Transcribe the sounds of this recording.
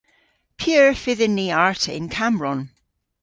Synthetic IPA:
pʰiəɹfɪðənːiaɹtʰə̰ɪ̃nkʰamɹɔ̃n

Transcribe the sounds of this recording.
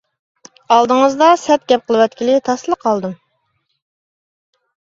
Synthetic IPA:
ɑlˠd̪ɨŋəzd̪ɑsɛt̪̚ɡʲɛp̚qʰəlˠɨwɛt̪kʲilɪt̪ʰɑslˠəqʰɑlˠd̪ɨm

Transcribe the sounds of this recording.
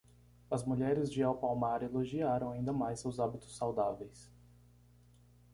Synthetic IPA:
ɐzmuʎɛɾɪzd͡ʒɪawpawmaɾeloʒiaɾɐ̃w̃aĩnd̪ɐmajsewzabit̪ʊ̥sːawd̪avejs

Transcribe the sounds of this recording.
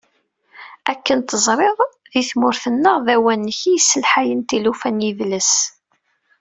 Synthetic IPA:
ækːənt̪əzˤɾˤeðˤ | ðiθmʊɾθənːəʁðæwænːəçisːəlħajənt̪ilufænjivləs

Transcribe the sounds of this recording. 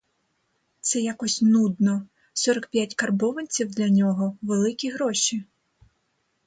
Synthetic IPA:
t̪sɛjakɔsʲnud̪nɔ | sɔɾɐkpʲjatʲkɐrbɔʋɐnʲt͡sʲiwd̪lʲɐnʲɔɦɔʋelˠɪkʲiɦɾɔʃʲi

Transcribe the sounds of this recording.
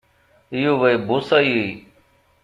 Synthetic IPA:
ɪjuːʋəeːbʱʊːsaːiːɦiː

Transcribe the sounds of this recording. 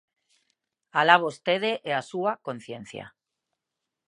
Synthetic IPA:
alaβost̪eðeʔeasuako̞n̟θje̞nθja̰

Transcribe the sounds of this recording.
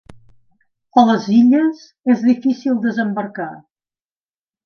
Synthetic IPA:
ələziʎəz | ezðifisilˠd̪əzəmbərka

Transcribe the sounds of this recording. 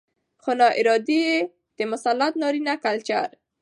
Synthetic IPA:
xolɑʔɪɾɑd̪ije | d̪̥əmʊsalːat̪̚nɑɾinakalt͡ʃa̰ɾ

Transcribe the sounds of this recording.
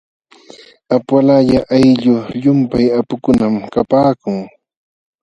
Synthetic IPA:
apwalaʎaʔajʎʊʎʊmpajapʊkʊnamkapaːkʊŋ

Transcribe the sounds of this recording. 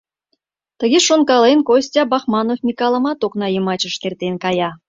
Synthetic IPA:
t̪ə̆ɣʲeʃonkɑlenkosʲt̪ʲɑbɑxmɑnofmʲikɑlˠə̆mɑt̪oknɑjəmɑt͡ɕə̆ʃt̪ert̪enkɑjɑ

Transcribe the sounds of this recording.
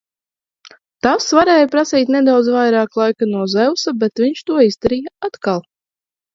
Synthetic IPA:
t̪asvaɾɛːjapɾasiːt̪ʲnɛd̪awd̪zvajɾɑːklˠajkanuɔzɛwsabɛt̪vʲiɲʃt̪uɔizd̪aɾiːjaat̪kalˠ

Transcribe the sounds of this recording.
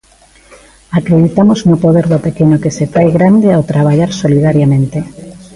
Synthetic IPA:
akɾeðit̪amoznʊpoðeɾðopekenokesefajɣɾand̪eawt̪ɾaβ̞aʎaɾsoliðaɾjamẽnt̪e

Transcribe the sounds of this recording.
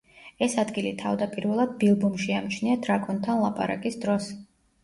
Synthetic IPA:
ɛsad̪ɡilit̪ʰavd̪apʼiɾvɛlˠad̪̚bilˠbumʃiamt͡ʃʰniad̪̥ɾakʼɔnt̪ʰanlˠapʼa̰ɾa̰kʼisd̪ɾɔs

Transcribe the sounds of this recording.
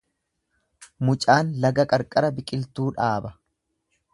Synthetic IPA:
mʊt͡ʃʼaːnlɐɡɐkʼɐɾkʼɐɾɐbɪkʼɪlt̪uːᶑaːbɐ

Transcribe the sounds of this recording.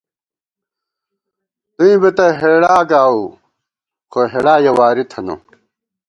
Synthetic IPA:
t̪uĩbet̪ɐɦeɽaːɡaːu | kʰoɦeɽaːjɐwaːɾit̪ʰɐno̰

